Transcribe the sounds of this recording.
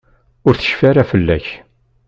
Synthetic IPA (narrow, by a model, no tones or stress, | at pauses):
ʊɾθə̥ʃfaɾafəlːæ̰ç